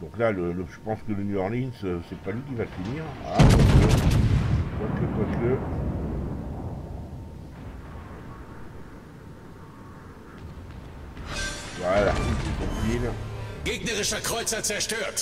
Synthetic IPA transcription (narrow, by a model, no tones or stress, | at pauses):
d̪̥ɔ̃klalələʒ̥əpɑ̃skələnyɔʁninsøsɛpalɥik̬ʲivat̪əniːʁa̰pakə | t̪wakət̪waskə | wɛlaʁt̪ititɔ̃filɡ̥eːɡnɐʁɪʃɐkʁ̥ɔʏt͡sɐt͡sɛɐʃtøːɐt